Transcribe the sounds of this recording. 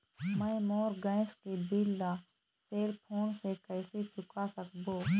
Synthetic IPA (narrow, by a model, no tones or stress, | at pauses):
mə̃moːɾɡə̃ɪskebɪlːa | seːlpʰoːnsekəːset͡ʃʊkasəkboː